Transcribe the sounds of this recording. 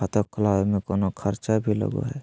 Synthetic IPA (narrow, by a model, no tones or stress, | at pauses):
at̪okəlaːbmekoːnokʰəɾt͡ʃabʱilə̰ɡo̰ɦɛː